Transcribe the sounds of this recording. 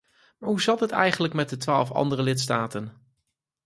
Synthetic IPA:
maːɹɦuzɑtɦətɛjχənləkmɛt̚dətʋaːlˠfɑ̰ndərəlɪtstaːtən

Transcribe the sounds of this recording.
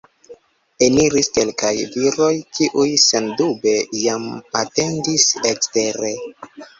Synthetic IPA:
e̞niɾiske̞lkajviɾo̞jkʰiʔujsendube̞jamate̞ndisekste̞ɾe̞

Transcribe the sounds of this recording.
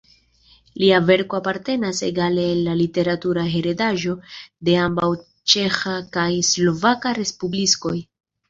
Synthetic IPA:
liave̞ɾko̞apaɾte̞nase̞̰ɡale̞alːalite̞ɾatuɾaɦe̞ɾe̞daʒo̞de̞ambaw | t͡ʃe̞xakajslo̞vakaɾe̞spublisko̞j

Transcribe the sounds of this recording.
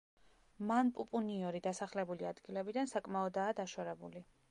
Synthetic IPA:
manpʼupʼuniɔɾid̪asaχlɛbuliad̪ɡilɛbid̪ansakʼmaɔd̪aːd̪aʃwaɾɛbṵli

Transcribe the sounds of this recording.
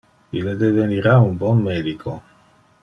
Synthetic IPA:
ilːed̪eveniɾaumbɔnmeːd̪ikʰo

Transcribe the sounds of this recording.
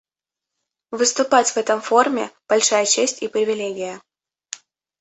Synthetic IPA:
vɨst̪ʊpatʲvɛt̪əmformʲɪ̰b̥ɐlʲʂajət͡ɕesʲtʲipɾʲɪvʲɪlʲeɡʲɪjə

